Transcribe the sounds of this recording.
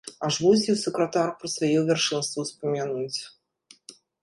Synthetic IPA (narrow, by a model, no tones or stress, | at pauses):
aʐvuzʲiwsɨkɾat̪arpɾɨsvajuvʲɛrʂɨnst̪vuwspɐmʲanut͡sʲ